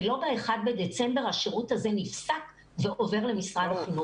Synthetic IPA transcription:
lo̞beeχad̪̚bed̪et͡sembe̞ʁhaʃeʁuthazenifsak | ve̞ʔo̞ve̞ʁle̞misʁadaχinu

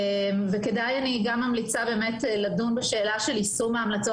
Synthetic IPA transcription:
mveke̞dajaniɡamːamlit͡sabe̞ːmetlavd̪unbeʃe̞ːlaʃe̞lisumeamlat͡so

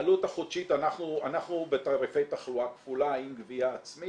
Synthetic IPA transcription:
lut̪aχod̥ʃit̪anaχnuanaχnubet̪aʁefe̞jt̪aχluakfulaimɡviaːt͡smi

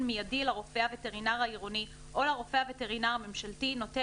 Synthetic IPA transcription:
nmijadilaʁofeaveteʁinaʁaiʁoni | ʔo̞laʁo̞feavete̞ʁinaʁame̞mʃaltino̞te

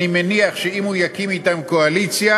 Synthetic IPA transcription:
imeniaχʃeimujakimit̪amkoalit͡sja

